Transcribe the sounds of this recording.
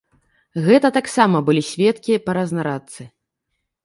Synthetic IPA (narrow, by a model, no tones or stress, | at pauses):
ɣɛt̪ɐt̪aksamɐbɨlʲisʲvʲɛt̪kʲipɐɾɐznaɾat̪sɨ